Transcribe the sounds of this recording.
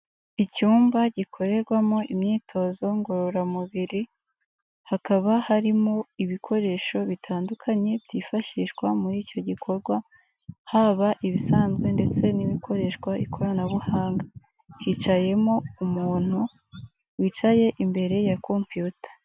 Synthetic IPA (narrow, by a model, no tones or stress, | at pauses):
icuːmbaɟikʰo̞ɾe̞ɾɡwamo̞ʔimɲiːtʰo̞zo̞ŋɡoɾoɾamuβiɾi | hakaβahaɾimo̞iβikʰo̞ɾe̞ːʃo̞βitʰaːndukʰaɲe̞bɟiːfaʃiʃɡwamuɾiːco̞ɟikʰo̞ɾɡwa | haβaʔiβisaːnzɡwe̞nde̞t͡se̞niβikʰo̞ɾe̞ːʃkwaikʰo̞ɾanaβuhaːŋɡa | hit͡ʃaje̞mo̞umuːn̥hu | wit͡ʃaje̞ʔimbe̞ɾe̞jako̞mpjuːtḁ